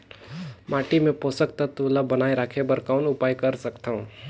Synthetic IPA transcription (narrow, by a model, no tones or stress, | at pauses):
maːʈimẽpoːsək̚t̪at̪uːlabənaːeɾaːkʰebəɾkaʊnʊpaːjkɐɾsəkt̪aũ